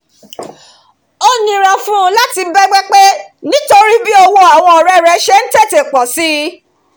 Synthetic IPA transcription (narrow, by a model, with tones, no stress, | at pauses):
o˦nĩ˧ɾa˨fũ˦˧la˦ti˧˦bɛ˦ɡ͡bɛ˦k͡pe˦nĩ˦to˧ɾi˦bi˦ɔ˧wo˧a˨w̃ɔ̃˧ɔ˨ɾɛ˧˦ɾɛ˧ʃɛ˦n̩˦te˦˨te˨k͡pɔ˨si˦